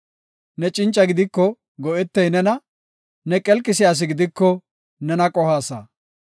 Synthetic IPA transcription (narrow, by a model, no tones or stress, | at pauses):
nɛt͡ʃʼɪnt͡ʃʼːɐɡɪd̪ɪkːɔ | ɡɔʔɛt̪ːɛjnɛnɐ | nɛkʼɛlkʼːɪsɪjaːs̬ɪɡɪd̪ɪkːɔ | nɛnɐkʼɔhaːsa̰ː